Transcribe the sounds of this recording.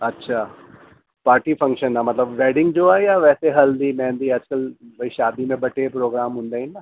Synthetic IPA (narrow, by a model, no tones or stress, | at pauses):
ɐtːʃʰaː | paːɾʈiːfʰɐ̃ŋkʃənːamɐt̪ləbʋeːɖɪ̃ŋɡd͡ʒoajaʋɛːseɦɐld̪imɛ̃ːnd̪iɐd͡ʒkɐlbɐiʃaːd̪imẽbʱɐʈepɾoːɡɾaːmɦʊ̃nd̪aːĩnna